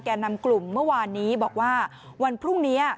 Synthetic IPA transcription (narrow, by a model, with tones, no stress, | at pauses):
kɛː˧nːa˧mklu˨˩mːɯ˥˩ɐwaː˧nːiː˦˥bɔː˨˩k̚waː˥˩ | wa˧npʰɾu˥˩ŋniː˦˥